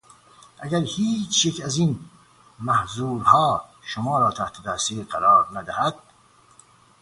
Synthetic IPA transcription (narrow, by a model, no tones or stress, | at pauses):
ʔæɡæɾhiːt͡ʃʰjecʰæziːn | mæhzuːɾhɒːʃomɒːɾɒːt̪ʰæht̪ʰed̪æɾsiːɾɢæɾɒːɾnæd̪æhæd̪̥̚